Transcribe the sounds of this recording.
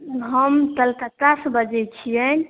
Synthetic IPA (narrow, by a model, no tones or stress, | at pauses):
ɦəmt̪əlt̪at̪asbəd͡ʒɛt͡ʃʰijən